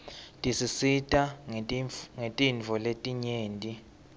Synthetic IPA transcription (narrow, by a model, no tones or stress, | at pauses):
tʼisisitʼa | ŋetʼinvʱɔletʼiɲeːntʼi